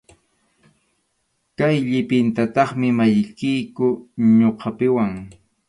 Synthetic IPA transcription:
kajʎɪpɪnt̪at̪ɑχmɪmajkɪjkʊɲoqʰɑpɪwaŋ

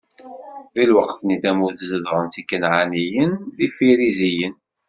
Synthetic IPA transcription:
ðilwəqθniθæmuθzəðɾˤənt̪ikːənʕanijənðifiɾizijən

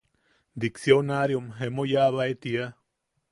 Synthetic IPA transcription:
d̪iksjonaɾjomɦemojaβaet̪ia

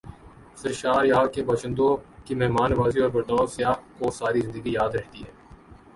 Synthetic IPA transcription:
sɪɾʃaːɾjaːkebɐʃə̃nd̪õkimɛɦmaːnʋaːziɔːɾbɐɾd̪aːsɪjaːɦkosaːɾizɪ̃nd̪əɡijaːd̪ɾɐɦt̪iɦɛː

